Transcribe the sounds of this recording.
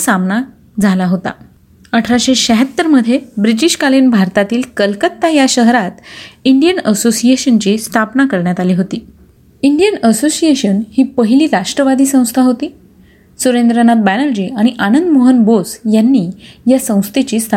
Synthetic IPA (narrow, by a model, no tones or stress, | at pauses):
samna | d͡zʱalaɦot̪a̰ | əʈʰɾaɕeɕəɦət̪ːəɾməd̪ʱːjebɾiʈ̬iɕkalinbʱaɾt̪at̪iːlkəlkət̪ːajaɕəɦɾat̪iɳɖijənəsosijeɕənt͡ɕiːst̪ʰapnakəɾɳjat̪aliːɦot̪iː | iɳɖijənəsosieɕənhiːpəɦiliːɾaʂʈɾəʋad̪iːsə̃w̃st̪ʰaɦot̪iː | suɾend̪ɾənat̪̚bænəld͡ʑiaɽ̃iʔanənd̪moɦənbosjanːiːjasə̃w̃st̪ʰet͡ɕiːst̪ʰ